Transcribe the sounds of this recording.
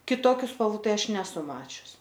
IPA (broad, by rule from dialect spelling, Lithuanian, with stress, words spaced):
kʲɪˈtoːkʲʊ spɐlˠˈʋuː ˈtɐɪ ˈɐʃ nʲɛˈsʊ ˈmɑːt͡ʃʲʊs